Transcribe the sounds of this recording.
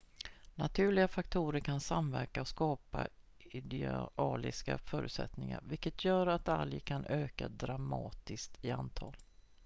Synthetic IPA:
nat̪ʰʉ̟ːɭɪɡafakt̪ʰuːɾəɾkʰansamvæɾkaɔskɑːpa | ɪd̪ɛɑːlɪskafœːɾʉ̟ːt̪sɛ̰t̪nɪŋa̰ɾvɪlkːət̪ʰjœːɾat̪aljkʰanʔøːkad̪ɾamɑːt̪ɪst̪ɪant̪ʰɑːl

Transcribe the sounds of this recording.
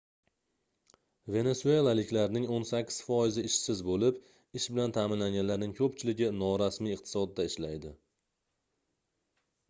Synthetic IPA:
ve̞ne̞sue̞lˠalɪkʲlaɾnɪŋonsakʲʰːɪ̥z̥fɒjɪzɪɪʃsɪzbolɪp | ɪʃbɪlant̪ʰaːmɪnlaŋɡʲanlaɾnɪŋkʰɵp̚t͡ʃʰɪlɪɡʲɪnɒɾasmijɨqt̪ʰɪ̥sɒd̪ːaɪʃlajd̪ɪ

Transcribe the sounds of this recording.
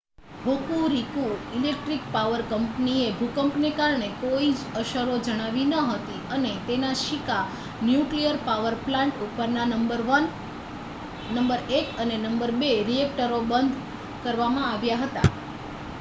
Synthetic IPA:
bʱokuɾikuilek̚ʈɾik̚paʋəɾkəmpniebʱukəmpnekaɾɳekoid͡ʒəʃəɾod͡ʒəɽ̃aʋinəɦət̪iənet̪enaʃika | njuklijəɾpaʋəɾplãɳʈupəɾnanəmbəɾʋən | nəmbəɾekənenəmbəɾbeɾiek̚ʈəɾobənd̪ʱ | kəɾʋamãaʋjaɦət̪a̰

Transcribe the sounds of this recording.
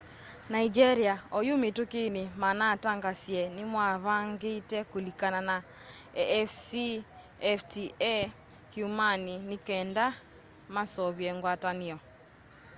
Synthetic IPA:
naid͡ʒɛɾiaojumitukinimanaːtaŋɡasjɛnimwaβaŋɡetɛkulikanana | ɛɛfsi | ftiɛ | hjumaninikɛːnda | masɔβjɛŋɡwataniɔ

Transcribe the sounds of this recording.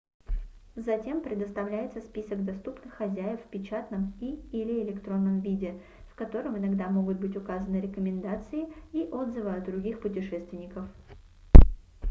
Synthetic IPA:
zɐtʲe̞mpɾʲɪd̪əst̪ɐvlʲæjɪt̪səspʲisəɡd̪ɐst̪upnɨxːɐzʲæjɪffʲpʲɪt͡ɕat̪nəmiɪlʲɪɪlʲɪkt̪ɾo̞nːəmvʲidʲɪ | fkɐt̪o̞ɾəmɪnɐɡd̪amo̞ɡʊt̪̚bɨtʲʊkazənɨɾʲɪkəmʲɪnd̪at̪sɨɪiʔo̞d̪zɨvəɐd̪d̪ɾʊɡʲixpʊtʲɪʂɛst̪vʲɪnʲɪkəf

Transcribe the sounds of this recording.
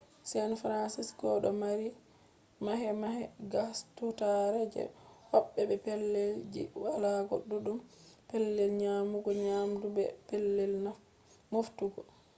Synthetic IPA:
sanfɾansiskɔɗɔmaɾi | maɦɛmaɦɛɡastutaɾɛd͡ʒɛ̰hɔɓːɛbɛpelːeld͡ʒḭwalakɔ̰ɗuɗumpelːɛlɲamuɡɔɲamdubɛ̰pelːɛlna | muftuɡɔ

